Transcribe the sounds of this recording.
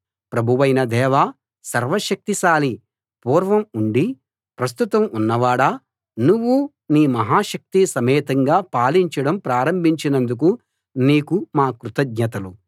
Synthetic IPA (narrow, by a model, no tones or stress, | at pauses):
pɾɐbʱuʋɐjnɐd̪ɛːʋaː | sɐɾʋɐʃɐk̚t̪iʃaːli | puːɾʋɐmuɳɖi | pɾɐst̪ut̪ɐmunːɐʋaːɽa | nuʋːu | niːmɐɦaːʃɐk̚t̪isɐmɛːt̪ɐŋɡaːpaːliɲt͡ʃɐɽɐmpɾaːɾɐmbʱiɲt͡ʃinɐnd̪uk̬u | niːkumaːkɾut̪ɐɡɲɐt̪ɐlu